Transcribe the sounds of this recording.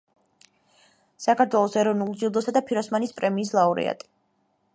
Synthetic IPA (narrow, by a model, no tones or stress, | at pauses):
sakaɾt̪ʰwɛlˠɔsɛɾɔvnulˠd͡ʒid̪ɔsad̪apʰiɾɔsmanispʼɾɛmiːslˠauɾɛ̰a̰t̪ʼi̥